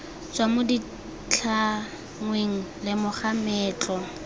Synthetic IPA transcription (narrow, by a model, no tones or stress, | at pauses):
t͡sʼwamʊdi | t͡ɬʰa | ŋweŋ̩lɪmʊχamɛːt͡ɬʼɔ